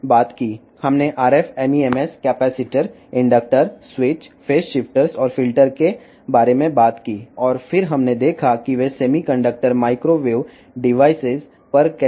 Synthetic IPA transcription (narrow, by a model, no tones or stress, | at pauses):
baːt̪kiː | hɐmneʔaːɾɛfɛmieːmɛskɛːpɛːsɪʈəɾ | ɪ̃ɳɖək̚ʈəɾswɪt͡ʃfʰeːsʃɪfʈəɾsɔːɾfɪlʈəɾke | baːɾemẽbaːt̪kiːɔːɾfɪɾɦɐmned̪eːkʰakiʋeseːmikə̃ɳɖək̚ʈəɾmaːɪkɾoʋeːʋ | ɖɪʋaːɪsɪz | pɐɾkː